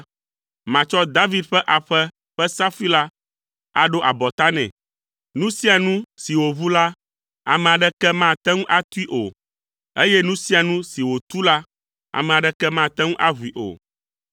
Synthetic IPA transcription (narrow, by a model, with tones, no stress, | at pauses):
mã˨t͡ʃɔ˦d̪a˦vi˦d̪ɸɛ˦ʔa˨ɸɛ˦ | ɸɛ˦sa˦fi˦la˦ | a̰˨ɖo˦ʔa˨bɔ˨t̪a˦nɛ̰̃˨ | nũ˦si˦a˨nũ˦si˨wo˨βu˦la˦ | a̰˨mɛ̃˨a˨ɖɛ˦kɛ˦mã˦˨t̪ɛ˦ŋũ˦ʔa˦t̪u˦i˦ʔo˨ | e˦jɛ˦nũ˦si˦a˨nũ˦si˨wo˨t̪u˦la˦ | a̰˨mɛ̃˨a˨ɖɛ˦kɛ˦mã˦˨t̪ɛ˦ŋũ˦ʔa˦βu˨i˨ʔo̰˨